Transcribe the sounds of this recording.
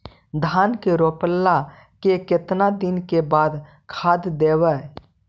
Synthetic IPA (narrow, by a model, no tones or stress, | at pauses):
d̪ʱaːnkeɾoːpəlːa | keket̪nad̪ɪnkebaːd̪ | kʰaːd̪d̪eːwə